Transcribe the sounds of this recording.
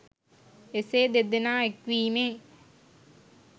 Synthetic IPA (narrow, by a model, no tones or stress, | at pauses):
eseːd̪ed̪enaːekʋiːmeː